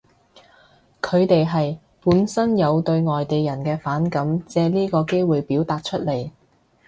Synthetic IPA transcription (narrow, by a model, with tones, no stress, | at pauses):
kʰɵ˨˧ɥt̪e˨jɦɐ˨j | puː˨˥nsɐ˥njɐ˨˧wt̪ɵ˧ɥŋɔː˨jt̪e˨jjɐ˨˩nkɛː˧faː˨˥nkɐ˨˥mt͡sɛː˧liː˥kɔː˧ke˥jwuː˨jpiː˨˥wt̪aː˨t̚t͡ʃʰɵ˥t̚le˨˩j